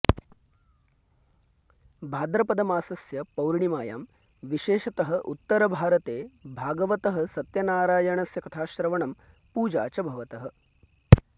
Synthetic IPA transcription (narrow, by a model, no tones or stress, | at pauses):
bʱaːd̪ɾɐpɐd̪ɐmaːsɐsjɐpɐwɾɳimaːja̰ːm | ʋiʃeːʃɐt̪ɐɦɐ̆ʔut̪ːɐɾɐbʱaːɾɐt̪eːbʱaːɡɐʋɐt̪ɐɦɐ̆sɐt̪jɐnaːɾaːjɐɳɐsjɐkɐt̪ʰaːʃɾɐʋɐɳɐm | puːd͡ʒa̰ːt͡ʃɐbʱɐʋɐt̪ɐɦɐ̆